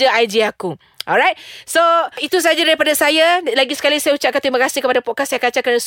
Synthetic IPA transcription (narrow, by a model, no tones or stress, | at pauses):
aajd͡ʒiaku | ʔɔlɹajt̚soit̪us̬aad͡ʒadaɾipadasajalaɡisə̥kalisajaut͡ʃaʔ̚kant̪ɾimãkasikəpadapɔkasajakat͡ʃakɾanas